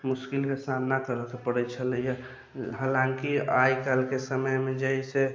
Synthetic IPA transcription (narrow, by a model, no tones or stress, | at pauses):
muskilkesannakəɾəkepəɽɛt͡ʃʰəlja | ɦalaŋkiajkalkesəməjmed͡ʒəise